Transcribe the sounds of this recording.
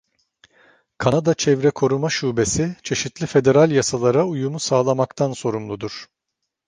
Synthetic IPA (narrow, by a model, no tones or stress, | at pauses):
kʰanad̪at͡ʃʰɛvɾɛkʰo̞ɾumaʃuːbe̞sit͡ʃʰe̞ʃit̪lʲife̞d̪e̞ɾalʲjasalˠaɾaujumusaːlˠamakt̪ʰanso̞ɾumlˠud̪uɾ̥